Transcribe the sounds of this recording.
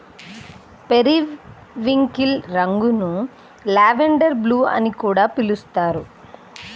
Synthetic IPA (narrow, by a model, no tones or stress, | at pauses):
peɾi | ʋiŋkilɾɐŋɡunu | laːʋeɳɖɐɾbluːɐ̰nikuːɽaːpilust̪aːɾu